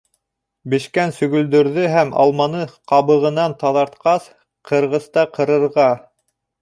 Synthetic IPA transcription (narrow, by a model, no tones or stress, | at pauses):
bɘ̆ʃkænsɵ̆ɣɵ̆ld̪ɵ̆ɾðɵɦæmɑ̰lˠmɑnɤqɑβɤ̆ʁɤ̆nɑnt̪ɑðɑɾt̪qɑs | qʰɤ̆ɾʁɤ̆st̪ɑqʰɤ̆ɾɤ̆ɾʁɑ